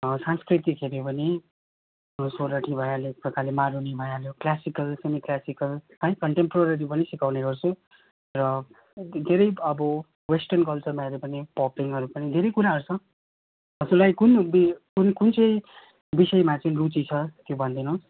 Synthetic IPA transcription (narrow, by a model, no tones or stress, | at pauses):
sanskrit̪ikʰeɾebʱʌni | soɾʌʈʰibʱʌjalepʌkalemaɾunebʱʌjaljoklasikʌlsemiklasikʌlʌjkʌɳʈempɾʌɾʌɾipʌnisikawneɡʌrt͡sʰu | rʌ | d̪ʱeɾʌjʌbʌ | wesʈʌrnkʌlt͡sʌrmaeɾepʌnipɔpiŋɦʌɾupʌnid̪ʱeɾʌjkuɾaɦʌɾut͡sʰʌ̃ | ʌd͡zuɾlajkunbikunkunt͡sʌj | bisʌjmat͡saĩrut͡sit͡sʰʌt̪jobʱʌnd̪ʌnʌ̃s